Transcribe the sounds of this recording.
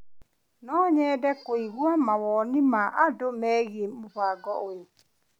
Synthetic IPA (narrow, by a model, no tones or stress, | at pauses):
nɔɲɛːdɛkoiɣwamawɔnɪmaʔadomɛːɣemoɸaɡɔojo